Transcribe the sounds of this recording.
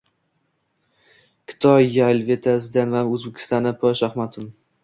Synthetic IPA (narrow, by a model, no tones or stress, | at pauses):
kʲʰɪ̥t̪ʰɒjjalvet̪ʰazd̪anvamɵzbɪkʲʰɪ̥st̪anapʰoʃahmat̪ʰʊm